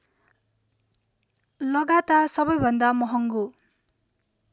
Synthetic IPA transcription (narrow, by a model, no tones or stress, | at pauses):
lʌɡat̪arsʌbʌjbʱʌnd̪amʌɦʌŋɡo